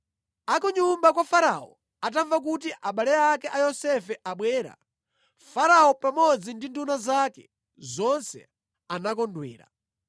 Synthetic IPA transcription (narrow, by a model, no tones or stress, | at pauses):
akuɲumbakwafaɾaɔ̰ | ataɱvak̬utiʔaɓalɛakɛʔajɔsɛfɛʔaɓwɛːɾa̰ | faɾaɔpamɔd͡zindindunazakɛ̰ | zɔnsɛ̰ | anakɔndwɛ̰ːɾa̰